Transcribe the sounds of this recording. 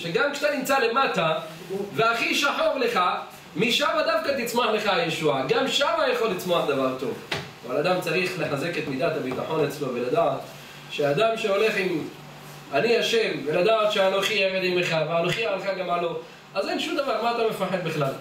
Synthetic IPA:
ʃeɡamkʃḁt̪animt͡sale̞mata | veaχiʃaħo̞ʁle̞χa | miʃamad̪afkat̪it͡smoaħleχaːjeʃuaɡamʃamajaχo̞lːit͡smo̞aħd̪avaʁt̪o̞vavalad̪amt͡saʁiχle̞ħaze̞ke̞t̪mid̪at̪abit̪aħo̞nat͡slovelad̪aːt̪ | ʃead̪amʃe̞o̞le̞χim | aniaʃe̞mvelad̪aːt̪ʃeanoχieʁed̪imeχaveanoχiaalχaɡamalo̞ | azenʃumd̪avaʁmaːt̪ame̞faħed̪̚biχlal

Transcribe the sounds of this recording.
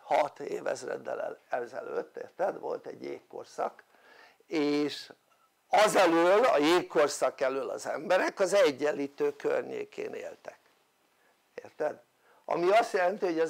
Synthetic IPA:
hɒt̪ḛːvɛ̰zrɛ̰d̪ːɛlɛɛzɛløt̪ːeːrt̪ɛd̪ʋo̞lt̪ɛɟjeːkːo̞̰rsɒk | eːʃ | ɒzɛløːlɒjeːkːorsɒkɛløːlɒ̰zɛmbɛɾɛkɒzɛɟːɛlːiːt̪øːkø̰rɲḛːkḛːneːlt̪ɛ̥k | eːrt̪ɛd̪ | ɒ̰miɒst̪jɛlɛnt̪iho̞ɟɒ

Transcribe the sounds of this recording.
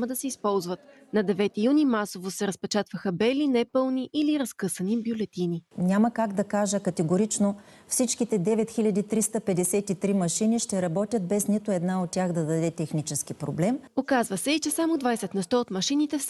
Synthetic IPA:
məd̪ɐsɛispɔlˠzvɐt̪ | nɐd̪ɛvɛt̪ijunimasovosɛɾəspɛt͡ʃat̪vəxəbɛlinɛpɤlˠniʔiliɾɐskɤsənibjʊlɛt̪ininʲaməkaɡd̪ɐkaʒəkɐt̪ɛɡoɾit͡ʃno | fsit͡ʃkit̪ɛd̪ɛvɛt̪xilʲɐd̪it̪ɾist̪əpɛd̪ɛsɛt̪it̪ɾimɐʃiniʃt̪ɛɾɐbɔt̪ʲjət̪̚bɛsnit̪ʊɛd̪naot̪̚tːʲaxd̪ɐd̪ɐd̪ɛt̪ɛxnit͡ʃɛskipɾoblɛmokazvəsɛit͡ʃɛsamod̪vajsɛt̪nɛst̪ɔot̪mɐʃinit̪ɛfs

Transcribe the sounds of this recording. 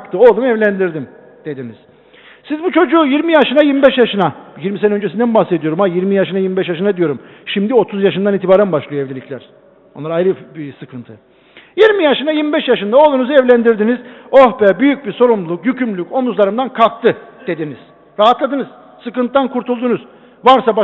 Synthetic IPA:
kt̪ʰɯo̞lˠumevlʲænd̪iɾd̪im | d̪̥ed̪inḭz̥ | sizbut͡ʃʰo̞d͡ʒujiɾmijaʃɯnajiɾmibɛʃjaʃɯnajiɾmisnø̞nd͡ʒesind̪ænbahse̞d̪ijo̞ɾumajiɾmijaʃɯnajiɾmibɛʃjaʃ̬ɯnad̪ijo̞ɾum | ʃimd̪io̞t̪ʰuzjaʃɯnd̪aniːt̪ʰibaːɾænbaʃlˠɯjoevlʲelʲiclʲæɾ̥ | onˠaɾaajɾɯbisɯkʰɯnt̪ʰɯ | jiɾmijaʃɯnajiɾmibɛʃjaʃɯnd̪ao̞lˠunuzuɛvlʲænd̪iɾd̪inizo̞hbɛbyjyc̚biso̞ɾumlˠukjycʰymlʲyko̞nuzlˠaɾɯmd̪ankʰalˠk̚t̪ʰɯd̪̥e̞d̪iniz̥ | ɾaɦat̪lˠad̪ɯnɯz̥ | sɯkɯnt̪d̪ankʰuɾt̪ʰulˠd̪unuz̥ | vaɾsab

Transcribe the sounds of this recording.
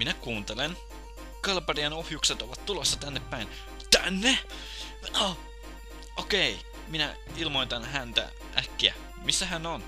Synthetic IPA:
minækuːnt̪elen | kɑlɑpɑriɑnohjukset̪oʋɑt̪t̪ːulosːɑt̪ænːepːæin | t̪ænːe | o | ʔokei | minæ | ilmo̞it̪ɑnɦænt̪æ̰ | ʔæ̰kːiæ̰ | misːæɦænon

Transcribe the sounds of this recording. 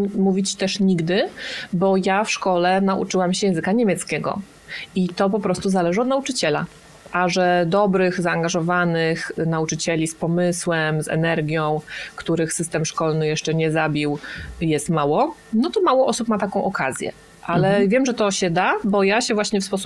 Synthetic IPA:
muvʲit͡ɕi̥t̪ɛʂɲiɡd̪ɘbɔjafʂkɔlɛnaʔṵt͡ʂɘwamɕɛjɛ̃zɘkaɲemʲjɛt̪skʲɛɡɔ̰ | it̪ɔpɔpɾɔst̪uzalɛʐɨɔd̪naut͡ʂɘt͡ɕɛla̰ | ʔaʐɛd̪ɔbɾɘxzaːŋɡaʐɔvanɘxnaut͡ʂɘt͡ɕɛlʲispɔmɘswɛmzɛ̰nɛɾɡʲjɔ̃w̃kt̪uɾɘxsɘst̪ɛmʂkɔlnɘjɛʂt͡ʂɛɲɛzabʲiwjɛst̪mawɔnɔt̪ɔmawɔʔɔsupmat̪akɔ̃w̃ʔɔkazʲjɛ̰ | ʔalɛvʲjɛmʐɛt̪ɔɕɛd̪abɔjaɕɛvwaɕɲɛfspɔsu̥p

